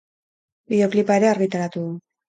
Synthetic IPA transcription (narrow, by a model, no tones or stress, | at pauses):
bio̞klipaeɾe̞aɾɣit̪aɾat̪uðu